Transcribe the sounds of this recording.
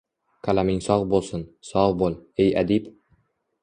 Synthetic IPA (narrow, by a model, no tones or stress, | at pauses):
kʰalamɪŋsɒʁbolˠsɪnsɒʁbolˠejad̪ip